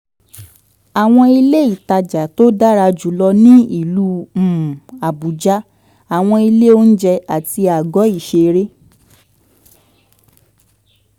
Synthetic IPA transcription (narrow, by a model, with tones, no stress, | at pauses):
a˨w̃ɔ̃˧i˧le˦i˨ta˧d͡ʒa˨to˦da˦ɾa˧d͡ʒu˨˦lɔ˧nĩ˦i˦˨lũ˨˦˨ | a˨bu˨˦d͡ʒa˦ | a˨w̃ɔ̃˧i˧le˦o˦n̩˦d͡ʒɛ˧a˨ti˧a˨ɡɔ˨˦i˦˨ʃe˧ɾe˦